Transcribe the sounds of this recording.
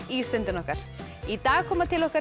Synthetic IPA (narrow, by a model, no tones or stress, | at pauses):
ist̪lɛnt̪ɪnɔhkaɾ̥it̪aːɣkʰɔːmat̪ʰɪlɔhkaɾ